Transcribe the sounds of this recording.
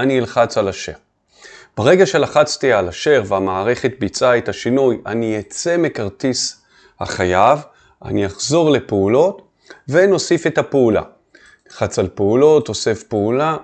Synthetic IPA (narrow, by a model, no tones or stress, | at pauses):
anilχat͡salaʃe̞̰ʁ | b̥aʁe̞ɡaʃe̞laχat͡st̪ialaʃe̞ʁveamaːʁe̞χe̞tbit͡saethaʃinuja̰nijet͡se̞mekaʁtis | ha̰χajav | a̰niaχzo̞ʁle̞peulo̞t | ve̞no̞sife̞tapeula̰ | ilχat͡salpeulo̞to̞sefpeula